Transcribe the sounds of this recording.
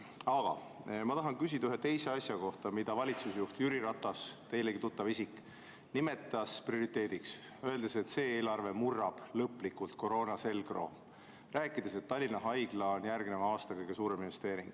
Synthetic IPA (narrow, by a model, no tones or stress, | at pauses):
ɑɡ̥ɑ̰ | mɑt̪ɑɦɑnkys̬ʲid̪ɑyɦe̞t̪e̞jse̞ɑsjɑko̞ht̪ɑmid̪ɑvɑlʲit̪susejuht̪jyɾiɾɑt̪ˑːɑst̪e̞jle̞ɡit̪ut̪ːˑɑvisikːˑ | nime̞t̪ːˑɑsprio̞ɾit̪ːˑe̞ːd̪̥iks | ø̞e̞ld̪ese̞t̪se̞ːeːlɑrve̞murːɑb̥lɤpːˑlikːˑult̪ko̞ɾo̞ːnɑse̞lɡ̥ro̞̰ | ræːkːˑid̪̥e̞se̞t̪ːɑlʲːinɑɦɑjɡ̥lɑonjærɡ̥ne̞vɑɑːst̪ɑkɤjɡ̥e̞suːɾe̞minve̞st̪e̞ːɾiŋɡ̥